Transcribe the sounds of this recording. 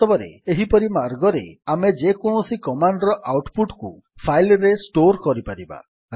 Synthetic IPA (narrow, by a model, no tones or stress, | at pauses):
t̪ɔbɔɾḛeɦipɔɾimaɾɡɔɾeamed͡ʒekɔɽ̃ɔsikɔmaɳɖɾɔʔawʈpuʈkṵ | pʰajlɾesʈoɾkɔɾipaɾiba̰